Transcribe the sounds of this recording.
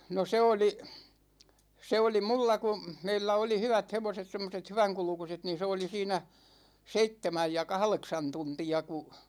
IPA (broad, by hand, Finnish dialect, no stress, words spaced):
no se oli se oli mulːɑ ku̞ meilːæ oli hyʋæt heʋoset semːoset hyʋæŋkulŭkuset niːn̞ se oli siːnæ seitːemæj jɑ kɑhleksɑn tuntiɑ ku